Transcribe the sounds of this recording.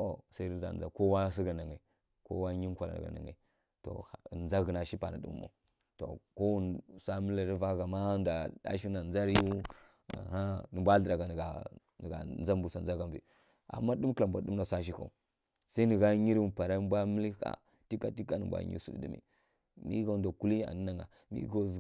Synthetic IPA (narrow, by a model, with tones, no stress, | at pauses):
o˨sa˦za̰˨n˨za˨ko˦wa˦s̬i˦ɡa˨na˨ŋe˨ | ko̰˦wa˦ɲi˦ŋ˦kʷa˨la̰˨a̰˨ɡa̰˨na̰˨ŋḛ˨ | to̰˨nza˦ɡi˨na˨ʃi˦pa˨na̰˨ɗṵ˦m̰˦mo̰˨ | to̰˨ko˦wu˦nsa˦mi˦li˦ɾi˦va˦ɡa˨ma˦nda˨da̰˦ʃi˦na˨nd͡za˦ɾjṵ˦˨ | ha˦nə˨mbʷa˦ɬə˨da˨ɡa˨n˨ɡa˨ | n˨ɡa̰˨nza˦mbu˨sa˨n˨a˦ɡa˦mbḭ˨ | a̰˨mːa˦ɗu˦mkla˨mbʷa˨du˦mna˨sa˦ʃ̬i˦ka̰˨u˨ | sa˦i˦nə˨ɡa˦ɲi˦ɾpa˨ɾa˦m˦bʷa˦mi˦li˦ka̰˨ | ti˦ka˨ti˦ka˦nə̰˨mbʷa̰˦ɲḭ˦su˨dḭ˨ɗḭ˦mḭ˨ | mḭ˦ɡa˦˨nda˨ku˦li˦a̰˨nə˦na˨ŋa̰˨ | mḭ˦ɡo˦˨